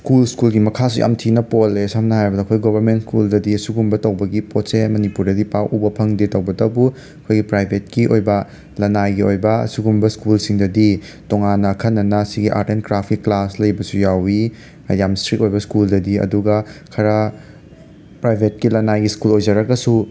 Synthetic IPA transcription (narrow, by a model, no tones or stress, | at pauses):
skulskulɡimɐkʰas̬uja̰mtʰinɐpolesɐmnɐɦajbɐdɐkʰojɡobʱɐɾmenskuldɐdiɐsuɡumbɐtɐwbɐɡipotsemɐnipuɾdɐdipawʔubɐpʰɐŋditɐwbɐdɐwbu | ɐkʰojɡipɾajbʱet̚kiʔojbɐ | lɐnajɡiojbɐɐ̰suɡumbɐskulsiŋdɐdi | toŋanːɐkʰɐnːɐnɐsiɡiʔa̰ɾtenkɾapʰkiklaslɐjbɐsujawi | jamstɾit̚ojbɐskuldɐdiɐ̰duɡɐkʰɐɾɐ | pɾajbʱet̚kilɐnajɡiskulojzɐɾɐkɐsu